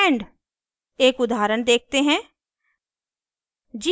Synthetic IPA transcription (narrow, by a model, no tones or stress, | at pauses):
ɳɖ | eːkʊd̪ʱaːɾənd̪eːk̚t̪eɦɛ̃ː | d͡ʒi